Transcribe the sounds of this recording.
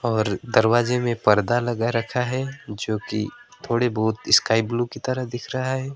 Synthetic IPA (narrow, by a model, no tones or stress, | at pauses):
ɔːɾd̪ɐɾwaːd͡ʒemẽpɐɾd̪alɐɡaɾɐkʰaɦɛːd͡ʒoːkḭt̪ʰoːɽebɔːt̪ɪskaːɪblukit̪ɐɾəɦd̪ɪkʰɾɐɦaɦɛː